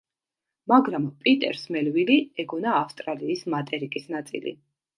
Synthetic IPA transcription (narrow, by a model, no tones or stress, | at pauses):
maɡɾampʼit̪ʼɛ̰ɾsmɛlviliɛɡɔnaːfst̪ʼɾaliːsmat̪ʼɛɾikʼisnat̪sʼḭlḭ